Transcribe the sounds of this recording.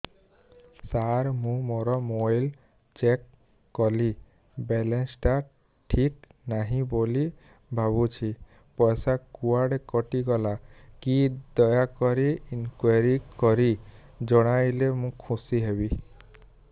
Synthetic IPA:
saɾmũmoɾɔmojl | t͡ʃekː | ɔli | bɛlensʈa | ʈʰiknaɦĩboli | bʱaβut͡ʃʰi | pɔjsakuaɽekɔʈiɡɔlakid̪ɔjakɔɾiːnkwaɾikɔɾid͡ʒɔɽ̃ajlemũkʰũsiɦebi

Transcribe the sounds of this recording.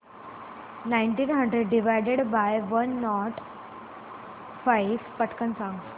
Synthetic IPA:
nãɪɳʈiːnɦə̃ɳɖɾeɖːiʋajɖeɽbajʋənːɔʈ | fajʋpəʈkənsãŋɡ

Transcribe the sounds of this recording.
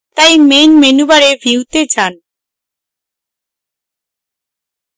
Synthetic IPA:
t̪ajmenmenubaɾebʱiwt̪et͡ɕan

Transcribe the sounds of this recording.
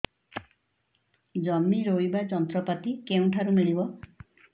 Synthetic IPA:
d͡ʒɔmːiɾoibad͡ʒɔnt̪ɾɔpat̪ikeũʈʰaɾumiɭibɔ

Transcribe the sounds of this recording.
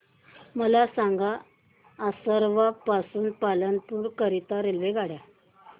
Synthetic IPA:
məlasãŋɡaː | səɾʋapasuːnpalənpuːɾkəɾit̪aɾelʋeɡʱaɽja

